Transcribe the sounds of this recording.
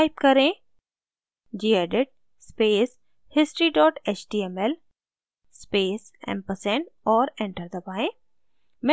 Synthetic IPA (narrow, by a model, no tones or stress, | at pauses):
ɪp̚kɐɾẽ | d͡ʑiːeːɖɪʈ̚ | speːs | hɪsʈɾiɖɔːʈeːt͡ʃɖiːemel | speːsɛ̰̃mpəsẽnɔːɾẽɳʈəɾd̪əbaːẽ | mẽ